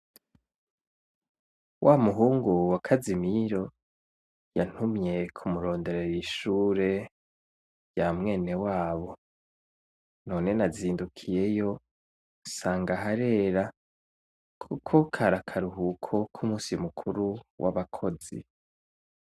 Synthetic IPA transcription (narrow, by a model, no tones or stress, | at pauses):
wʔamuɦuːŋɡuwakʰazimiɾo̞ | jan̥humɲe̞kʰumuɾo̞ːnde̞ɾejiʃuːɾe̞ | jamŋe̞ːne̞waːβo̞ | no̞ːne̞naziːndukʰije̞jo̞ | saːŋɡaɦaɾe̞ːɾa | kʰukʰokʰaɾakʰaɾuɦukʰo̞kʰumusimukʰuɾuwʔa̰βakʰo̞zḭ